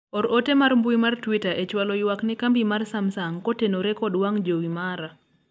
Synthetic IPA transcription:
ɔɾotemaɾmbuimartwitaʔet͡ʃwalɔɪwaknɛkambimarsamsaŋkɔtenoɾekɔdwaŋd͡ʒowimaɾa

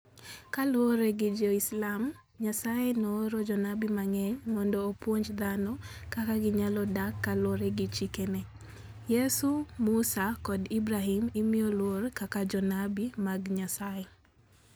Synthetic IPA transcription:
kalwoɾeɡɪd͡ʒoislam | ɲasajenoːɾod͡ʒɔnabimaŋɛɲmɔndɔːpwoɲd͡ʒd̪anɔkakaɡɪɲalɔdakːalwoɾeɡɪt͡ʃikene | jesumusakɔdibɾaɦimɪmijolworkakad͡ʒɔnabimaɡɲasajɛ

